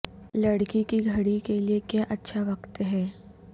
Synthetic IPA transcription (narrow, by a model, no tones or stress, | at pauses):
lɐɽkikiɡʱɐɽikeliekjaːʔɐtːʃʰaʋɐqt̪ɦɛː